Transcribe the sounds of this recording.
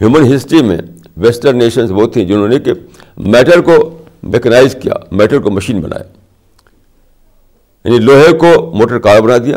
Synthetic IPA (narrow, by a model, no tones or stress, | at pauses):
ɦjuːmənɦɪsʈɾimḛ̃ | ʋesʈəɾneːʃənsbɔːt̪ʰːĩd͡ʒɪnõːneke | mɛːʈəɾko | mḛːkənaːɪzkija̰ːmɛːʈəɾkomɐʃiːnbɐ̰nʔa̰ːja̰ː | ja̰ːniloːɦekomoːʈəɾkaːɾbɐnad̪ija̰ː